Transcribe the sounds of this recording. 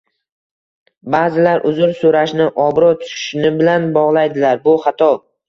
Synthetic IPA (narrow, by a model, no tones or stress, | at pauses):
bazɪlaɾʔʊzʊɾsoɾaʃnɪʔɒbɾɒt̪ʰʊ̥ʃɪ̥ʃnɪbɪlanbɒʁlˠajd̪ɪlaɾbʊχat̪ʰɒ